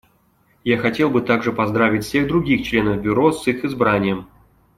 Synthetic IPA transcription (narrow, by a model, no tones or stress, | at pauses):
jaxɐtʲe̞lˠbɨt̪aɡʐɨpɐzd̪ɾavʲɪtʲfʲsʲe̞ɣd̪ɾʊɡʲixt͡ɕlʲe̞nəvbʲʊɾo̞sɨxɨzbɾanʲɪjəm